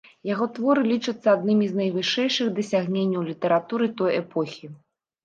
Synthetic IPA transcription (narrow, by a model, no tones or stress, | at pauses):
jaɣɔt̪vɔɾɨlʲit͡ʂɐt̪sːɐad̪nɨmʲiznɐjvɨʂɛjʂɨɣd̪ɐsʲaɣnʲenʲːɐwlʲit̪ɐɾat̪uɾɨt̪ɔjɛpɔxʲi